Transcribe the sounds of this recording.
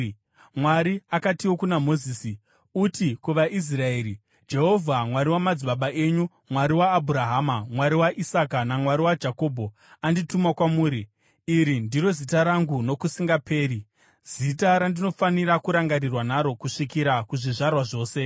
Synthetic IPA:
mwaɾiakatiwo̞kunamo̞ziːsi | utikuʋaʔis̬rae̞ːɾi | d͡ʒe̞ɦo̞vʱamwaɾiwamad͡ziɓaɓaʔe̞ɲu | mwaɾiwaːbʱuɾaɦaːmamwaɾiwaʔisakanamwaɾiwad͡ʒako̞ːbʱo̞ | anditumakwamuːɾiː | ɾindiɾo̞zitaɾaŋɡuno̞kusiŋɡape̞ːɾi | z̥itaɾandino̞faniɾakuɾaŋɡarirwanaɾo̞kuʂikiɾakuʐiʐarwaʐo̞ːse̞

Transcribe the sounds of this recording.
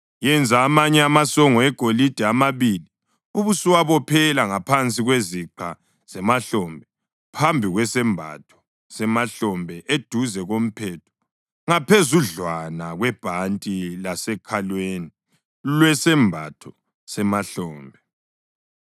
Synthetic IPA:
jɛnd͡zʱaːmaɲɛamasɔŋɔɛɡ̥ʱolid̥ʱɛamaβili | uβusiwaβɔpʰɛlaŋapʰant͡sʼiɣweziǃʰa | z̥ɛmaɬɔmbʱɛ | pʰambʱiɣwɛsɛmbʱa̰tʰɔ̥ | sɛmaɬɔmbʱɛʔed̥ʱuzɛɣom̩pʰɛːtʰɔ̥ | ŋapʰezuɮwanaɣwɛb̥ʱantʼilasɛkʰalweːni | lwɛsɛmbʱa̰tʰɔ̥ | sɛmaɬɔːmbʱɛ

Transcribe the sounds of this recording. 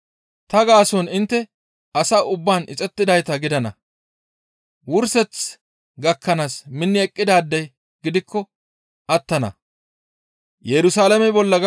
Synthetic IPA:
t̪ɐɡaːsɔnɪnt̪ːɛ | ɐsaːʊbːaːnʔɪ̰t͡sʼɛt̪ːɪd̪ɐjt̪ɐɡɪd̪ɐnɐ̰ | wʊɾsɛt͡s | ɡɐkːɐnaːsmɪnːɪɛkʼːɪd̪aːd̪ːɐj | ɡɪd̪ɪkːɔ | ʔɐt̪ːɐnɐ̰ | jɛɾʊsaːlɐmɛbɔlːɐɡ

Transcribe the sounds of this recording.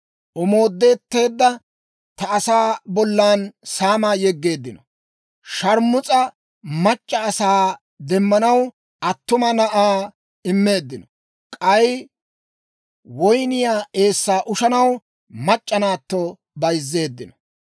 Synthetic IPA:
ʔɔmo̞ːd̪ːe̞ːt̪ːe̞ːd̪ːɐ | t̪ɐːsaːbɔlːaːnsaːmajɛɡːe̞ːd̪ːɪnɔ | ʃɐɾmʊt͡sʼɐ | mɐt͡ʃʼːɐːsaː | d̪ɛmːɐnɐw | ʔɐt̪ːʊmɐnɐʔaː | ɪmːe̞ːd̪ːɪnɔ | kʼɐj | wɔjnɪjaːʔe̞ːsːaːʔʊʃɐnɐw | mɐt͡ʃʼːɐnaːt̪ːɔ | bɐjzːe̞ːd̪ːɪnɔ

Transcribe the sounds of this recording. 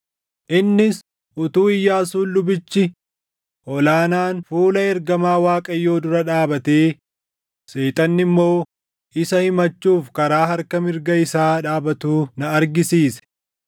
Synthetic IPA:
ʔɪnːɪs | ʔʊt̪uːɪjːaːsuːʊbɪt͡ʃːɪ | ʔɔlaːnaːnfuːlɐɛɾɡɐmaːwaːkʼɐjːo̞ːd̪ʊɾɐᶑaːbɐt̪eː | seːt̪ʼɐnːɪmːo̞ː | ʔɪsɐhɪmɐt͡ʃːuːfkɐɾaːhɐɾkɐmɪɾɡɐɪsaːᶑaːbɐt̪uːnɐːɾɡɪsiːsɛ̥

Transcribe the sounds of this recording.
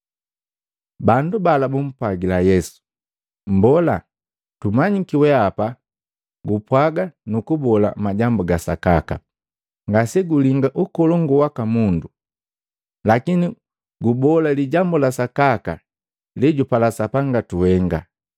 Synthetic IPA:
bandubalabum̩pwaɡilajɛsu̥ | m̩bɔla | tumaɲikiwɛapa | ɡupwaɡanukubɔla̰maɟambuɡasa̰kaka̰ | ŋɡasɛɡuliŋɡaʔukɔlɔŋɡuwakamundu | lakini | ɡubɔlaliɟambulasakaka | liɟupalasapaŋɡatuhɛŋɡa̰

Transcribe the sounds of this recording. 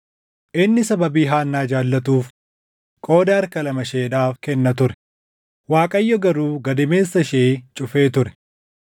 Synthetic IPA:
ʔɪnːɪsɐbɐbiːɦaːnːaːd͡ʒaːlːɐt̪uːf | kʼo̞ːd̪ɐɐɾkɐlɐmɐʃe̞ːd̪aːfkɛnːɐt̪ʊɾɛ̥ | waːkʼɐjːɔɡɐɾuːɡɐd̪ɪmeːsːɐʃeːt͡ʃʼʊfe̞ːt̪ʊɾɛ̥

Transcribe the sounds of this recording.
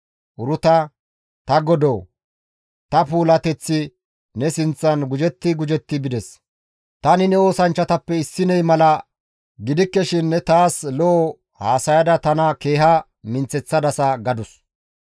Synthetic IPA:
ʔʊɾʊt̪ɐ | t̪ɐɡɔd̪oː | t̪ɐpuːlɐt̪ɛt͡sːɪ | nɛsɪnt͡sːɐnɡʊd͡ʒɛt̪ːɪɡʊd͡ʒɛt̪ːɪbɪd̪ɛs | t̪ɐnɪnɛo̞ːsɐnt͡ʃːɐt̪ɐpːɛɪsːɪnɛjmɐlɐ | ɡɪd̪ɪkːɛʃɪnːɛt̪aːslɔʔ | haːsɐjɐd̪ɐt̪ɐnɐke̞ːɦɐ | mɪnt͡sːɛt͡sːɐd̪ɐsɐɡɐd̪ʊs

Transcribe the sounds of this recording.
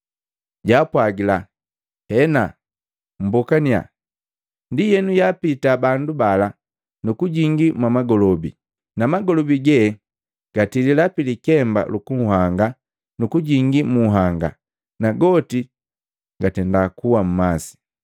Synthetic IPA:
ɟaːpwaɡila | hɛna | m̩bɔkania̰ | ndijɛnujapitabandubala | nukuɟiŋɡimwamaɡɔlɔbḭ | namaɡɔlɔbiɡɛ | ɡ̥atililapilikɛmba̰lukuŋɦaŋɡa | nukuɟiŋɡimuɦaŋɡa̰ | naɡɔti | ɡatɛndakuwam̩masi̥

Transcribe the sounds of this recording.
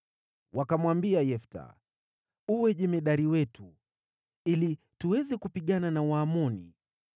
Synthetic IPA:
wʔakamwambiajɛfta̰ | uwɛʄɛmɛɗaɾiwɛtu | ili | tuwɛzɛkupiɠananawaːmɔnḭ

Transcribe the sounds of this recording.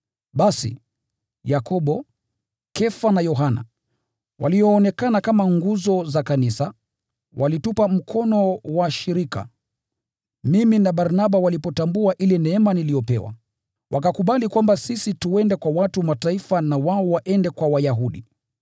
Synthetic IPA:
ɓasḭ | jakʰɔɓɔ | kɛfanajɔɦana̰ | wa̰liɔːnɛkanakamaŋɡuzɔzakanisa | wʔalitupam̩kʰɔnɔwaʃiɾika̰ | miminaɓaɾnaɓawalipɔtambuaʔilɛnɛɛmanilijɔpɛ̰wa̰ | wʔakakuɓalikwambasisituɛndɛkwawatuwmataifanawaɔwaʔɛndɛkwawajaɦuɗi

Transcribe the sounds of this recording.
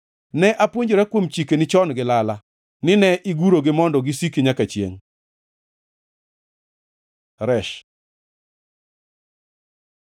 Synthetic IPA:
nɛʔapwoɲd͡ʒoɾɛkwomt͡ʃikenɪt͡ʃɔnɡɪlala | nɪnɛʔiɡuɾoɡɪmɔndɔɡɪsikiɲakat͡ʃjḛŋ | ɾɛʃ

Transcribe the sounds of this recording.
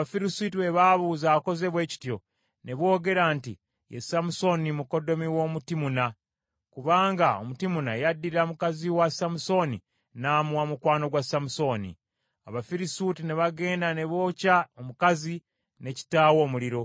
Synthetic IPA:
afiɾisitiwe̞βaβuːzaːko̞ze̞βwe̞ːci̥tjo̞ | ne̞βwo̞ːɡe̞ɾantḭ | jḛsamuso̞nimuko̞do̞miwo̞mutimuna | kuβaːŋɡao̰mutimuna̰jadːiɾamukaziwasamuso̞ni | namwamukwaːno̞ɡwasamuso̞nḭ | aβafiɾisutineβaɡe̞ːndane̞βo̞ːcaomukazi | ne̞ci̥taːwo̞ːmuliɾo̞

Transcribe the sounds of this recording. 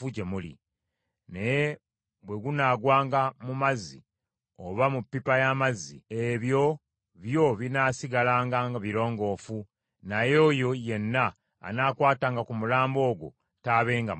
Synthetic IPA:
uɟemulḭ | neje | βwe̞ɡunaːɡwaːŋɡamumazːḭ | oβamupːipajamazːḭeβjo̞ | βjo̞βinasiɡalaːŋɡaŋɡaβiɾo̞ːŋɡo̞ːfu | najo̞ːjo̞je̞nːa̰ː | naːkwaːtaːŋɡakumulaːmbo̞ːɡo̰ | taːβe̞ːŋɡa

